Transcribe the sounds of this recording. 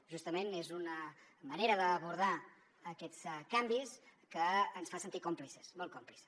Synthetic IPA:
ʒust̪əmenezunəməneɾəðəːβuɾð̞a | əkɛt͡skambiskəːnsfansənt̪ikomplisə̥smolˠkomplis

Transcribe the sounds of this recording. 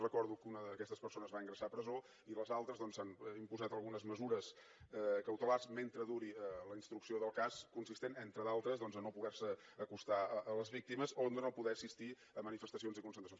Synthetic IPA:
rəkɔɾðukunəkɛst̪əspəɾsonəzβaiŋɡɾəsapɾəzo | iləzalˠt̪ɾəzðɔnsanimpuzat̪əlˠɣunəzməzuɾəs | kəwt̪əlarzment̪ɾəðuɾiələinst̪ɾuksioðəlˠkaskunsist̪enent̪ɾəðalˠt̪ɾəzðɔnzənopuɣɛɾsəːkust̪aəʔələzβik̚t̪iməzond̪ənopuðɛəsist̪i | əmənifəst̪əsionzikunsənt̪ɾsjon

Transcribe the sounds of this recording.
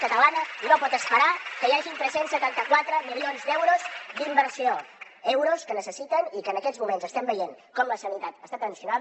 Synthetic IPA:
kət̪əlanəinopɔt̪əspəɾakəjaʒint̪ɾɛsensːət̪ant̪əkwat̪ɾəmilˠionzd̪ɛwɾozd̪imbəɾsio | ɛwɾoskənəsəsit̪ənikəːnəkɛzmumenzəst̪ɛmbəjenkɔmləsənit̪at̪əst̪at̪ənsiunaβ

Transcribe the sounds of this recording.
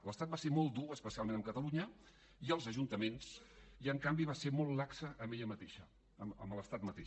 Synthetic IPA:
ləst̪at̪̚baseɾmɔlˠt̪̚d̪uəspəsialˠmẽnəmkət̪əluɲə | iəlˠzəʒunt̪əmensiəŋkambiβaseɾmɔlˠlaksəʔəmeʎəmət̪eʃə | əmə̰mələst̪at̪̚mət̪e

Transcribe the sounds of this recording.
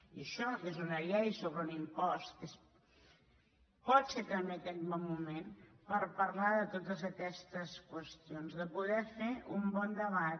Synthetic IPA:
iəʃɔkezunəʎɛjsoβɾunimpɔst̪es | pɔt̪set̪əmekɛt̪βɔmːumẽnpəɾpəɾlaðət̪ot̪əzəkɛst̪əskwəst̪ionzðəpuðɛfeʔumbɔnd̪əβat̪

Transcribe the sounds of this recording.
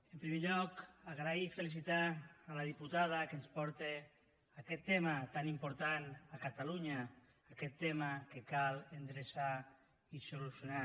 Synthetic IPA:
empɾimeʎɔkaɣɾaifelis̬it̪aːlað̞iput̪að̞akenspɔɾt̪e | akɛt̪ːɛmat̪animpoɾt̪anakat̪aluɲaː | kɛt̪ːɛmakekalend̪ɾesa | isolusjuna

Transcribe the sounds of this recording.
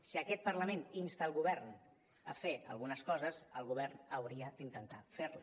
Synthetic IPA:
siəkɛt̪̚pəɾləmeninst̪aːlˠɣuβɛɾn | ə̰feə̰lˠɣunəskɔzəzəlˠɣuβ̞ɛrnəwɾiəd̪̥int̪ənt̪afeɾla

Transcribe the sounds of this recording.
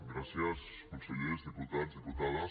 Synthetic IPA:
ɡɾasjas | kõnseʎeɾzðeput̪azðeput̪aða

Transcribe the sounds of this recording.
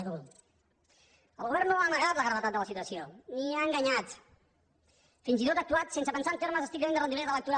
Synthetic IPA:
ul | əlˠɣuβɛɾrnoanəɣat̪ləɣɾəβət̪at̪̚d̪ələsit̪uəsioniaəŋɡaɲat̪ | finzit̪ot̪ək̚t̪uat̪sensəpənsaənt̪eɾməzəst̪ikd̪enərənd̪iβeɾðələk̚t̪uɾa

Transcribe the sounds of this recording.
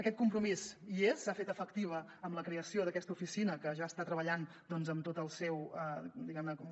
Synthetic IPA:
əkɛt̪kumpɾumiziesːafet̪əfəkt̪iβ̞ə | əmləkɾeəsioðəkɛst̪əufisinəkəʒaəst̪at̪ɾəβəʎan | d̪ɔnzəmt̪ot̪əlˠsɛwəd̪iɣɛmnəkɔm

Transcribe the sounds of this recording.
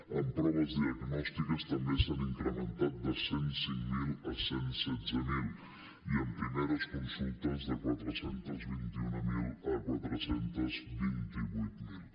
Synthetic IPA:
ənp̪ɾaðəzd̪iəɣnɔst̪ikəst̪ɐmbesaniŋkɾəment̪at̪̚d̪əsensiŋmilɐsensɛd̪zəmil | iəmpɾimeðəskunsunt̪əzðəkwat̪ɾəsent̪əzβint̪iunəmilɐkwat̪ɾəsent̪əzβint̪iβujt̪mil

